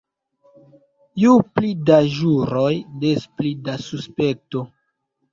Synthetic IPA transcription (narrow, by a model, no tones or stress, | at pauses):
juplidaʒuɾo̞jdesplidasuspek̚to̞